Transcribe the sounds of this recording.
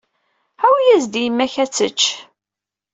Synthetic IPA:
æwijæzd̪ijəmːæçæt͡sːə̰t͡ʃː

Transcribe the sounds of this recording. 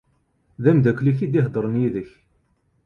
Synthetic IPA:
ðæmd̪ækːliç̬id̪iɦd̪ˤəɾˤənjiðəç

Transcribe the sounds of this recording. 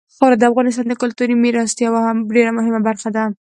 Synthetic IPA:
xɑɾad̪əafɣɑnɪs̬t̪ɑnd̪əkʊlt̪uɾimeɾɑst̪jɑwahamɖeɾamʊɦɪmabaɾxad̪a

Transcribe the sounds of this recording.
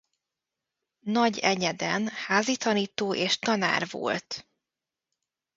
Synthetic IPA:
nɒɟɛɲɛd̪ɛnhaːzit̪ɒniːt̪oːʔeːʃt̪ɒna̰ːrvo̰lt̪

